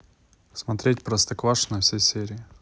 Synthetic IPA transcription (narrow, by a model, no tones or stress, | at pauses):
smɐt̪ɾʲetʲpɾəst̪ɐkvˠaʂnɐfsʲejsʲeɾʲɪɪ